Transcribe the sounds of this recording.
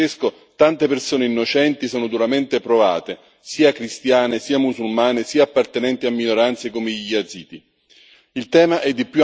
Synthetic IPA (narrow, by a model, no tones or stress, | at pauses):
esko | t̪ant̪epersoːneinːot͡ʃɛnt̪isoːnʊd̪uɾament̪epɾova̰ːt̪e | siːakɾist̪jaːnesiːamusulmaːnesiːaːpːart̪enɛnt̪iamːinoɾant̪sekomeʎiad̪ziːd̪i | ilt̪ɛːmaʔɛd̪ːipju